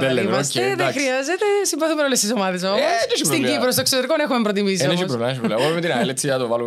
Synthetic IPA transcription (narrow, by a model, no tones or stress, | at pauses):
eleimɐseðxɾiɐzet̪esiɱvɐθumenolest̪isomɐðes̬ɐomneʃiɾiɲɡipɾos̬t̪oeksot̪eɾikonexumempɾot̪̬imis̬ionemʃipɾɾolemɐʃ̬iplɐpomet̪inɐlet̪siɐt̪ovɐlum